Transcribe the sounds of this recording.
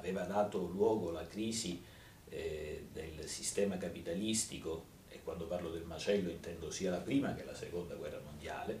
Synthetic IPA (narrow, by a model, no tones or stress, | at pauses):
aveːvad̪aːt̪olwɔːɡolakɾiːzi | d̪elsist̪ɛːmakapit̪alist̪iko | ḛkwand̪oparlod̪elmat͡ʃɛlːoint̪ɛnd̪osiːalapɾiːmak̟elasekond̪aɡwɛrːamond̪ja̰ːle